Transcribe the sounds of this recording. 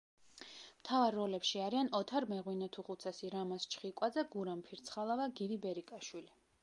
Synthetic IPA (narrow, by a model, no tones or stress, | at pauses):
mt̪ʰavaɾːɔlɛpʃiaɾianɔt̪ʰaɾmɛʁwinat̪ʰuχut̪sʰasiɾamast͡ʃʰχikʼwad̪zɛɡuɾampʰiɾt̪sʰχalˠavaɡid̪ibɛɾikʼaʃwili